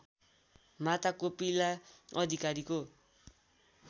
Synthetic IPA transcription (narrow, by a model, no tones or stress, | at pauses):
mat̪akopilaʌd̪ʱikaɾiko